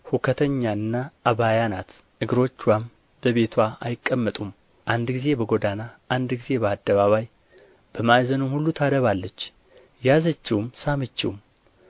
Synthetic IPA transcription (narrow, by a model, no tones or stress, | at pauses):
hukʰət̪ʰəɲːaɨnːaʔːβajanat̪ | ʔɨɡɨɾo̞t͡ʃːwam | b̥əβe̞t̪ʰwaa̰jɪkʼːəmːət̪ʼum | ʔand̪ɡize̞bəɡo̞d̪anaʔand̪ɡize̞bəad̪ːəβaβaj | b̥əmajzənumhulːut̪ʰad̪əβalːət͡ʃː | jazət͡ʃːiwmsamɨt͡ʃːḭwm